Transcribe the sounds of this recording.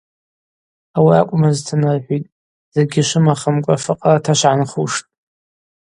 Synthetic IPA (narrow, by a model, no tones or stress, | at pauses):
awia̰kʷʼmaztʰɨnarħʷijtʼ | z̥eɡʲɪʃʷɨmaχəmkʷʼa̰fɨqʼaatʰaʃʷʕanχuʂtʼ